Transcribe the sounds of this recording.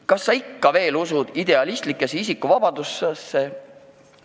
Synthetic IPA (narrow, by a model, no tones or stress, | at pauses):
kɑsːɑikːɑve̞ːlusud̪̥id̪e̞ɑlist̪likːˑe̞sisikːuvɑb̥ɑd̪̥usːesːe̞